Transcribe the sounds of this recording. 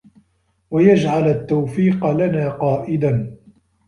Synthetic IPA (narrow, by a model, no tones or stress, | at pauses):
wajad͡ʒʕalat̪ːawfiːqɑlanaːqɑːʔɪd̪an